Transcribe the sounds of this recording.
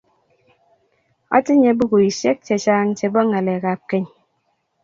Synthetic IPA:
ɔ̰˦ti˦ɲe˦bu˦ku˨i˨se˦k̚t͡ʃe˨t͡ʃaː˦ŋ̩˦t͡ʃe˨bɔ˦ŋa˨le˨ka˨p̚ke˦ɲ

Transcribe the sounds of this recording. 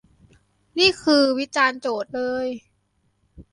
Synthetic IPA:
niː˥˩kʰɯː˧wi˦˥t͡ɕaː˧nt͡ɕoː˨˩t̪̚lɤː˧j

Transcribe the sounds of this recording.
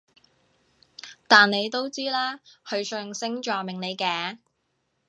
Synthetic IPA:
t̪aː˨nne˨˧jt̪o˥wt͡siː˥laː˥kʰɵ˨˧ɥsœː˧ŋsɪ˥ŋt͡ʃɔː˨mɪ˨ŋne˨˧jkɛː˨˧

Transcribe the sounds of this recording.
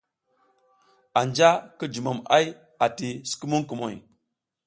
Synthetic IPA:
a˨nd͡ʒa˦kə˦d͡ʒu˨ma˨ma˦j | a˨ti˨si̥˨ki˦mu˦ŋku˨mo˨j

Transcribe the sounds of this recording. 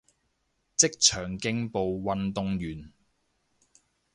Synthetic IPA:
t͡sɪ˥k̚t͡ʃʰœː˨˩ŋkɪ˧ŋpo˨˧wwɐ˧nt̪ʊ˨˧ŋjyː˨˩n

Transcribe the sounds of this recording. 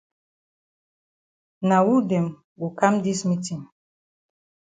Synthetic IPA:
na˨wu˦dɛ˨m | ɡu˨ka˦mdi˦smi˦ti˨m

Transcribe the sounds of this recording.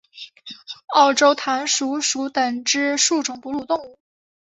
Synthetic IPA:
ɑ˥˩ʊʈ͡ʂo˥ʊt̪ʰa˧˥nʂu˧˥ʂu˧˥t̪ə˨˩ŋʈ͡ʂɻ̩˥ʂu˥˩ʈ͡ʂʊ˨˩ŋpu˧˥lu˥˧t̪ʊ˥˧ŋu˥˩

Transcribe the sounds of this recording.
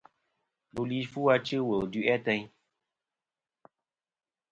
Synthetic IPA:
bu˨li˨˦fu˦a˧t͡ʃɨ˦wə˨du˦ʔɛ˦tɛ˧ɲ

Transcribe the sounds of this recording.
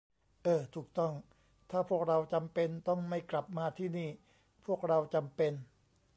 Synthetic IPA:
ʔɤː˧˩t̪ʰuː˨˩k̚t̪ɔ˥˩ŋ | t̪ʰaː˥˩pʰu˥˩ək̚ɾa˧wt͡ɕa˧mpe˧nt̪ɔ˥˩ŋma˥˩jkla˨˩p̚maː˧t̪ʰiː˥˩niː˥˩ | pʰu˥˩ək̚ɾa˧wt͡ɕa˧mpe˧n

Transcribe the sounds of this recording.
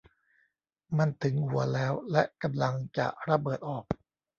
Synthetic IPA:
ma˧nt̪ʰɯ˩˦ŋhu˨˩˦ɐlɛː˦˥wlɛ˦˥ʔka˧mla˧ŋt͡ɕa̰˨˩ʔɾa˧bɤː˨˩t̪̚ʔɔː˨˩k̚

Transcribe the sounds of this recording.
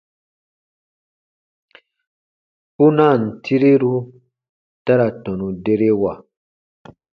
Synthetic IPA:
pu˦na˦˨n̩˨tʰi˦ɾi˦ɾu˦ | ta˦ɾa˨tɔ̃˨nũ˨de˦ɾe˦wa˨

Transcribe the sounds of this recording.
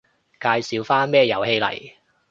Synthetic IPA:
kaː˧jsiː˨˧wfaː˥nmɛː˥jɐ˨˩whe˧jlɐ̰˨˩j

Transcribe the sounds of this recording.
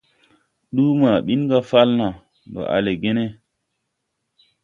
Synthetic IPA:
ɗu˦ma˨ɓi˦n˦ɡa˦fa˦lna˨ | do̰˨ʔa̰˨le˨ɡe˦ne˦

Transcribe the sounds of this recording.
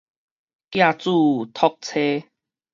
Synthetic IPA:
kja˥˧t͡su˥˧˨t̪ʰɔ˦k̚t͡sʰe˦

